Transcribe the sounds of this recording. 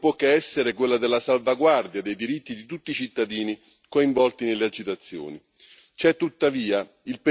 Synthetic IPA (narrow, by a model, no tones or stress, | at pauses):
pwɔkːeɛsːeɾekwelːad̪ɪlːasalvaɡward̪jad̪ejd̪iɾit̪ːid̪it̪ut̪ːiːt͡ʃit̪ːad̪iːni | koiɱvɔlt̪inelːead͡ʒːit̪at̪sːjɔ̰ːni | t͡ʃɛt̪ːut̪ːaviːa | ilpe